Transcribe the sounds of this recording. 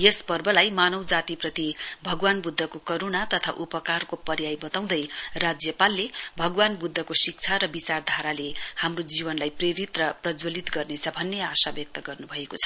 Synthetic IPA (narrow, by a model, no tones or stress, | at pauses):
jespʌrbʱʌlajmanʌwd͡zat̪iprʌt̪ibʱʌɡwanbud̪ʱːʌkokʌɾonat̪ʌt̪ʰa̰ʔupʌkarkopʌɾjajbʌt̪aw̃d̪ʌjrad͡zjʌpalːebʱʌɡwanbud̪ʱːʌkosik̚t͡sʰaɾʌbit͡sard̪ʱaɾalehamrod͡zibʌnlajpreɾit̪rʌprʌd͡zwolit̪ɡʌrnet͡sʰʌbʱʌnːeasabjʌk̚t̪ʌɡʌrnubʱʌekot͡sʰʌ̥